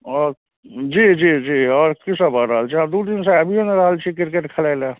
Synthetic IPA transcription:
ɔːɾ | d͡ʒiːd͡ʒiːd͡ʒiːɔːɾkɪsabaːɾɾaːlt͡ʃʰiad̪uːd̪ɪnseɐbʱioneɾaːɦlt͡ʃʰikɪɾkeʈkʰɐlala

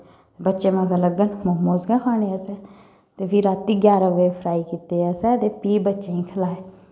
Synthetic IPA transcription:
bətːʃeːmãːɡələɡənmoːmoːzɡãːkʰaːneəsɛː | t̪eːpʰiɾaːt̪ːiːɡjaːɾãːʋeeːpʰəɾaːiːkiːt̪eːəsɛːt̪eːpiːbətːʃeːĩːkʰəlaːeː

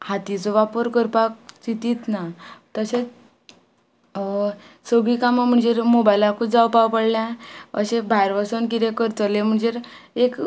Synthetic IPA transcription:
hat̪it͡sɔʋapəɾkəɾpak̚t͡sit̪it̪nat̪əset͡s | səɡikamam̤əɳd͡zeɾmobajlakʰud͡zawpawpəɽlãə̰ɕẽbʱajɾʋasənk̬it̪ekəɾt͡səlem̤əɳd͡zeɾek

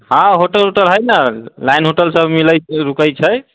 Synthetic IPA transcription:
hãɦoʈəlɦoʈəlɦəjnalajnɦoʈəlsəbmiləɾukəjt͡ʃʰəj

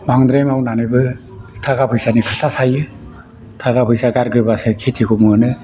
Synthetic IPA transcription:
maŋd̪ɾemawnanɯbɯ | tʰaɡapʰɯjsanikʰɯtʰasajɯ | tʰaɡapʰɯjsaɡaɾɡɯɾbasakʰitʰikʰumunɯ

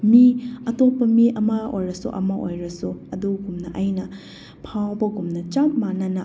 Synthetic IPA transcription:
miɐtopːɐmiʔɐmɐojɾɐsṵʔɐmɐʔojɾɐsuɐduɡumnɐʔɐjnɐ | pʰawbɐɡumnɐt͡ʃammːanɐnɐ

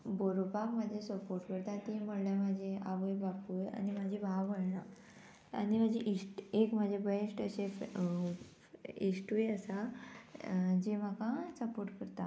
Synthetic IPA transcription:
boɾopakmad͡ʑʱesəpoɾʈkəɾt̪at̪em̤əɽljamad͡ʑʱeʔaʋəjbapuja̰nimad͡ʑʱibʱaʋəɽla | a̰nimad͡ʑiʔisʈekmad͡ʑʱebeʂʈəɕef | isʈujəsa | d͡ʑem̤akãsəpoɾʈkəɾt̪a

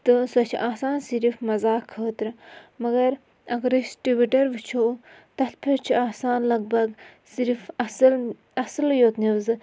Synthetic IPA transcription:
t̪ɨsɐt͡ʃʰiʔaːsaːnsiɾifmɐzaːkʰːəːt̪ɾɨmɐɡɐɾ | ɐɡɾisʈibiʈɐɾʋɨt͡ʃʰot̪ɐt̪ʰpʰeɾt͡ʃʰiaːsaːnlɐɡ̚bɐɡsiɾifɐsl | ɐsɨljoːt̪niʋzɨ

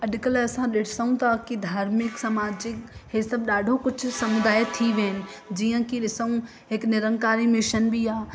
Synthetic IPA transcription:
ɐɗkəlɐsãɗɪʈʰsɐũt̪ʰakid̪ʱaːɾmɪksɐmaːd͡ʒɪkɦesɐb̚ɗaːɖʱokʊt͡ʃʰʊsɐmʊd̪aːjt̪ʰiʋeːnɪ̆ | d͡ʒiːə̃kiɗɪsəũ | ɦɪknɪɾə̃ŋkaːɾimɪʃənbʱiaː

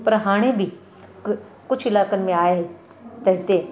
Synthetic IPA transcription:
pɐɾɦaːɽ̃ebʱi | kʊt͡ʃʰɪlaːkənmẽaːe | t̪ɐɦɪt̪eː

